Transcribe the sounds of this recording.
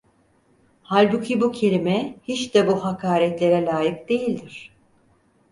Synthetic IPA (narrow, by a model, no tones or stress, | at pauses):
halʲbucʰibucʰe̞lʲimɛhit͡ʃd̪ɛbuɦakʰaːɾɛt̪lʲe̞ɾɛlʲaːjɯk̚d̪̥e̞jilʲd̪iɾ̝̥